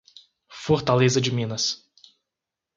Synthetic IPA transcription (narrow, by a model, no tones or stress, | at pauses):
foɾt̪alezɐd͡ʒɪmĩnɐs